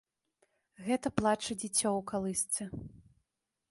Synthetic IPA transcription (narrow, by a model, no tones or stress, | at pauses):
ɣɛt̪ɐplˠat͡ʂɐd͡zʲit͡sʲːɔwkalˠɨst̪sɛ